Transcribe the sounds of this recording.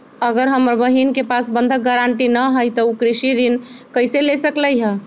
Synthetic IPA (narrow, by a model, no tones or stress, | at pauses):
əɡəɾɦəmɾbəɦinkepasbə̃nd̪ʱək̚ɡaɾaɳʈinəɦəjt̪əukɾiʃid̪inkəɪselesəkləjɦə